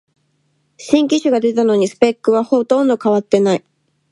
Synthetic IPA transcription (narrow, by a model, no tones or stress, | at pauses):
ɕĩŋk̬ʲiɕɨɡad̪e̞t̪ano̞ɲ̟isɨ̥pe̞kːɯ̟βahot̪õ̞nd̪o̞kaβ̞at̪ːe̞nai